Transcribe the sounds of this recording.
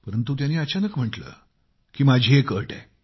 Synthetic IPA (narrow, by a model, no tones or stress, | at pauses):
pəɾənt̪uːt̪janiːət͡ɕanəkm̤əʈlə̰ː | kiːmad͡ʑʱiekəʈḛ̃